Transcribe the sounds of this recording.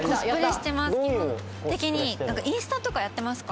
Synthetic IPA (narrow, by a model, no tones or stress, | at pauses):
kospɯɾeɕi̥t̪e̞maso | t̪e̞kʲiɲ̟inãŋkaʔĩɰ̃sɨ̥t̪ãt̪o̞kajat̪ːe̞masɨ̥ka